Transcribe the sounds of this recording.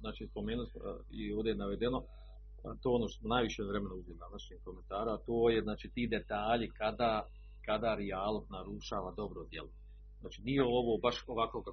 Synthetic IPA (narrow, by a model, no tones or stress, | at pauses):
znaːt͡ʃiːspo̞meːnulism̰ioːʋd̪ejnaʋe̞d̪eno̞ | t̪oːonoʃt̪o̥smonajʋiʃeʋɾemenouzʋeld̪anaʃɲiːkoment̪aːɾaat̪oːjeznaːt͡ʃiːt̪iːd̪et̪aːʎikad̪aː | kad̪aːɾijaːlˠoknaɾuʃaːʋad̪o̞bɾod̪jḛlˠo | znaːt͡ʃinijeo̞ʋobaʃoʋakoka